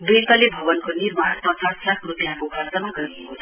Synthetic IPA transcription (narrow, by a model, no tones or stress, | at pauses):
bit̪alebʱʌβʌnkonirmart̪ʌt͡saslakʰrupjãkokʰalsamaɡʌɾiekoʌ